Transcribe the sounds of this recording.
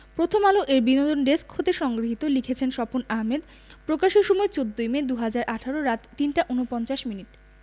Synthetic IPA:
pɾot̪ʰomaloʔeɾbinod̪onɖeskɦot̪eʃɔŋɡɾiɦit̪olikʰet͡ɕʰenʃɔponaɦmed̪ | pɾokaʃeʃɔmɔet͡ɕod̪ːojmed̪uɦad͡ʑaɾʔaʈʰaɾoɾat̪ːinʈaʔunopɔnt͡ɕaʃminiʈ

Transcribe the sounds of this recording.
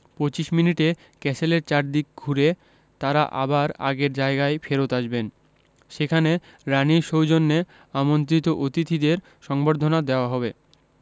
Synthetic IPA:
pot͡ɕiʃminiʈe | kɛsʰeleɾt͡ɕaɾd̪ik̚ɡʱuɾe | t̪aɾaʔa̰baɾa̰ɡeɾd͡ʑaeɡaefeɾot̪aʃben | ʃekʰane | ɾaniʃowd͡ʑonːe | amont̪ɾit̪oʔot̪it̪ʰid̪eɾ | ʃɔŋboɾd̪ʱonad̪eoaɦɔbe

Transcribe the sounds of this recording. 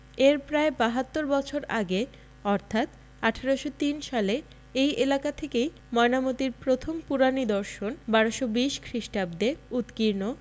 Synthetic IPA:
eɾpɾaebaɦat̪ːoɾbɔt͡ɕʰoɾa̰ɡe | ɔɾt̪ʰat̪ | aʈʰaɾoʃot̪inʃale | ejʔelakat̪ʰekej | mɔenamot̪iɾpɾot̪ʰompuɾanid̪ɔɾʃonbaɾoʃobiʃkʰɾiʃʈab̚d̪eut̪kiɾno

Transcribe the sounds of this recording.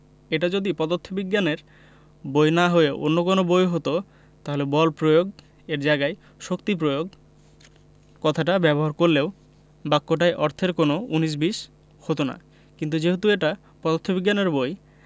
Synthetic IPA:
eʈad͡ʑod̪ipɔd̪ot̪ʰːobiɡːaneɾ | bojnaɦoeʔo̰nːokonobojɦot̪o | t̪aɦolebɔlpɾojoɡ | eɾd͡ʑajɡae | ʃokt̪ipɾojoɡ̚ | kɔt̪ʰaʈ̬abɛboɦaɾkoɾleo | bakːoʈ̬ajʔɔɾt̪ʰeɾkonouniʃ̬biʃ | hot̪ona̰ | kint̪ud͡ʑeɦot̪ueʈa | pɔd̪ot̪ʰːobiɡːaneɾboj

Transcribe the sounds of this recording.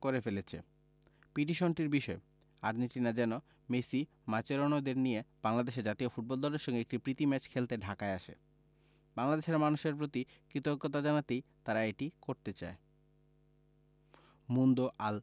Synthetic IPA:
koɾefelet͡ɕʰḛ | piʈ̬iʃonʈiɾbiʃɔe | aɾniʈinad͡ʑɛno | mesi | mat͡ɕeɾonod̪eɾnijeb̥aŋlad̪eʃeɾd͡ʑat̪iofuʈ̚bɔld̪ɔleɾʃɔŋɡeek̚ʈipɾit̪imɛt͡ɕkʰelt̪eɖʱakaeaʃḛ | baŋlad̪eʃeɾmanuʃeɾpɾot̪i | kɾit̪okːot̪ad͡ʑanat̪ejt̪aɾaeʈikoɾt̪et͡ɕa̰e | mund̪oʔal

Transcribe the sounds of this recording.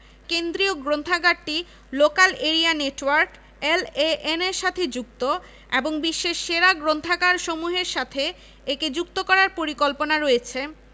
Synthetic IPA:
kend̪ɾioɡɾont̪ʰaɡaɖʈi | lokaleɾianeʈwaɾk | eleʔeneɾʃat̪ʰed͡ʑuk̚t̪o | ḛboŋbiʃːeʃːeɾaɡɾont̪ʰaɡaɾʃomuɦeɾʃat̪ʰe | eked͡ʑuk̚t̪okɔɾaɾpoɾikolponaɾoet͡ɕʰe

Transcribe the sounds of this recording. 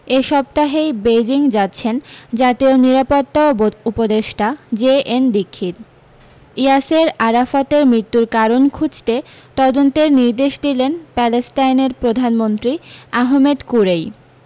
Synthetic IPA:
eʃɔb̚t̪aɦejbejd͡ʑiŋd͡ʑat̪ːɕʰend͡ʑat̪ioniɾapot̪ːaboupod̪eʃʈad͡ʑeʔenbikʰːit̪̚ | iaseɾaɾafat̪eɾmɾit̪ːuɾkaɾonkʰud͡ʑt̪e | t̪ɔd̪ont̪eɾniɾd̪eʃd̪ilenpɛlesʈajneɾpɾod̪ʱanmont̪ɾiaɦmed̪kuɾej

